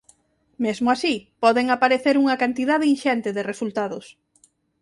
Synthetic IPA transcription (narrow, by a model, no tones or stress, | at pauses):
mezmʊasipɔðeŋapaɾeθeɾuŋɐkant̪iðaðeinʃɛnt̪ɪðɪresult̪aðʊs